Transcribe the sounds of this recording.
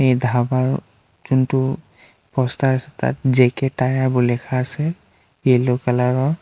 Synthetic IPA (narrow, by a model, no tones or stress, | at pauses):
ejdʱabaɹ | zuntʊ | pɔstaasɛta̰tzɛkɛtajaɹbɔlɛkʰaːsɛ | elokalaɹɔ